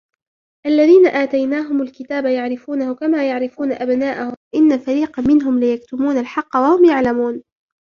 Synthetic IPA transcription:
ʔalːaðiːnaʔaːt̪ajnaːɦʊmʊlkɪt̪aːbajaʕɾɪfuːnahʊkamaːjaʕɾɪfuːnaʔabnaːʔahʊmʔɪnːafaɾiːqɑmɪnɦʊmlɪjakt̪ʊmuːnalħɑqːɑwahʊmjaʕlamuːn

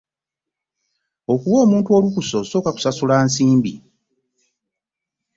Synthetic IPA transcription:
o̞kuwo̞ːmuːntuo̞ːlukuso̞so̞ːkaku̥sasulaːnsiːmbḭ

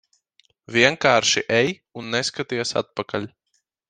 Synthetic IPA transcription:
vʲiɛŋkaːɾʃiʔɛj | unːɛskat̪iɛsa̰t̪̚pakalʲ

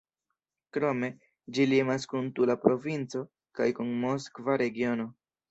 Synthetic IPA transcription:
kɾo̞me̞ | d͡ʒiliemaskuntulapɾo̞vint͡so̞ | kajkunmo̞skvaɾe̞ɡio̞no̞

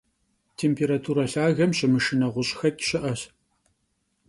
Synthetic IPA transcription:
tʰeːmpʰeːɾatʰuːɾɐɬaːɣɐmɕɪmɨʂɨnɐʁʷʊɕʼxɐkʲɪ̥ɕɪʔɐɕ

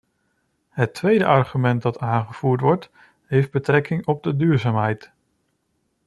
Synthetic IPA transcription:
ɦətʰʋejdəʔɑɹχymɛnt̚dɑtaːnχəv̥uːɹtʋɔɹt | ɦejfd̚bətrɛkɪŋɔb̚dədyːɹzaːmɦɛjt

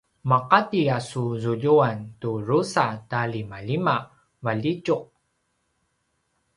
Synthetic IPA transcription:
maqatiasuzuʎuanturusatalimalima | vaʎicuq̚

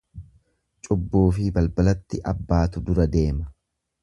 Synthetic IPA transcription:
t͡ʃʼʊbːoːfɪbɐlbɐlɐt̪ːɪʔɐbːaːt̪ʊd̪ʊɾɐd̪e̞ːmɐ

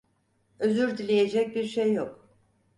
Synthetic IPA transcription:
øzyɾd̪ilʲejed͡ʒɛc̚biɾʃejːok

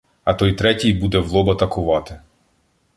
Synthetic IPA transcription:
ɐt̪ɔjt̪ɾɛtʲijbud̪ɛʋlˠɔbɐt̪ɐkʊʋɑt̪ɪ

